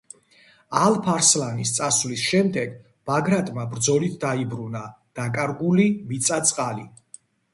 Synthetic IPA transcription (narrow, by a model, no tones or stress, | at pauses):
alˠpʰaɾslanist̪sʼasvlisʃɛmd̪ɛɡ | b̥aɡɾat̪ʼmabɾd̪zɔlit̪ʰd̪aibɾunad̪̥akʼaɾɡulimit̪sʼat̪sʼqʼali